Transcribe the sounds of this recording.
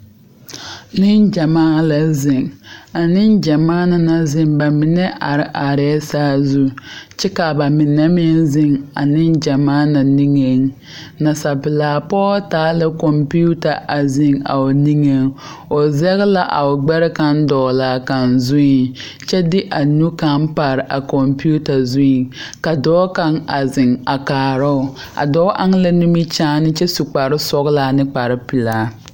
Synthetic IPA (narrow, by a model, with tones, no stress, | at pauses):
nɪ˦nd͡ʒa˨maː˦la˨zɪ˨ŋa˨nɪ˦nd͡ʒa˨maː˦na˨na˨zɪ˦mba˨mɪ˨nɛ˦ʔa˨ɾɪ˦ʔa˨ɾɛː˦saː˦zu˦t͡ʃɛ˦ka˨ba˨mɪ˨nːɛ˦mɪ˦nzɪ˦ŋa˨nɪ˦nd͡ʒa˨maː˦na˨ni˦ŋe˦ŋ | na˨sa˨pɪ˨laː˨pɔː˦taː˨˦lɪ˦kɔ˨mpi˦u˦ta˨ʔa˨zɪ˨ŋa̰˨o˨ni˦ŋe˦ŋ | o˨zɛ˦ɣla˦ʔa̰˨ʊ˨ɡ͡bɛ˦ɾɪ˦ka˦ndɔː˨laː˨˦ka˨nzʊ˦i˨ŋ | t͡ʃɛ˦dɪ˦ʔa˨nu˦ka˦npa˨ɾɪ˨ʔa˨ko˨mpu˦ta˨zu˦i˨ka˨dɔː˦ka˦ŋa˨zɪ˨ŋa˨kaː˨ɾʊ˦ʊ˨ | a̰˨dɔː˦ʔa˦ŋ˦la˦nu˦mi˦t͡ʃaː˦nɪ˦t͡ʃɛ˦su˨k͡pa˨ɾɪ˦sɔ˦ɣlaː˦nɪ˦k͡pa˨ɾɪ˦pɪ˨laː˨˦